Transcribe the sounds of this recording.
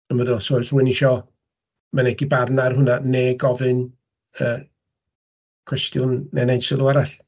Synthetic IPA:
ənmədɔsoɨsruɨniʃɔ | manɛɡibarnarhʊnaneːɡɔvɨn | əː | kʰw̥ɛstjʊnːɛnejnsɪlˠuaɾaɬ

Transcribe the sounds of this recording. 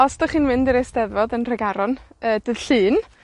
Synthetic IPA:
ɔsd̥ɔχiːnmɪndiɾesd̥ɛðvɔdənr̥ɛɡaɾɔnəːd̥ɨð̥ɬɨːn

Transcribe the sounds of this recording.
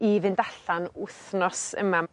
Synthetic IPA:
ivɪndaɬanʊθnɔsə̰ma

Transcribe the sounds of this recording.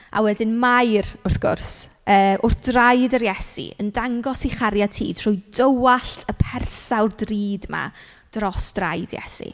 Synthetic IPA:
ʔa̰wɛdɪnmajrʊrθɡ̥ʊ̰rs | əːʔʊrθd̥rajdəɾjɛsḭə̰ndaŋɡɔsiχaɾjatʰiːd̥r̥ʊjdəwaɬtʰəpʰɛrsawrdriːdma̰ | d̥rɔsd̥ra̰jdjɛ̰sḭ

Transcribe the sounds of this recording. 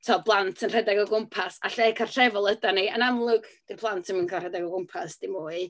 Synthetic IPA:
tʰɔblˠantʰənr̥ɛdaɡɔɡʊmpʰasa̰ɬɛkʰarrɛvɔlˠədaniənamlˠʊɡ̥d̥irbʰlˠantʰənminkʰarɛdaɡɔɡʊmpʰasd̥imʊːɨ

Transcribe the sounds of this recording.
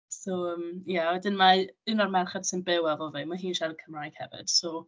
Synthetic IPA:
soəmjawɛdɪnmaɨnɔrmɛrχad̥sɪnbɪwɛvɔlˠviːmaɦiːnʃadəkʰəmraːjɡ̥hɛ̰vɪ̰d̥so

